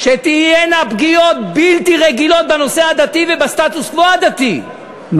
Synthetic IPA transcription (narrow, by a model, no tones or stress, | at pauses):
ʃet̪ijenapɡijo̞t̪̚bilt̪iʁeɡilo̞t̪̚bano̞sehad̪at̪ivebast̪at̪uskvoad̪at̪i